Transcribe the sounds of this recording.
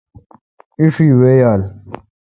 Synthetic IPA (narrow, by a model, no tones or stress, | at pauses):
iʂiːwejaːl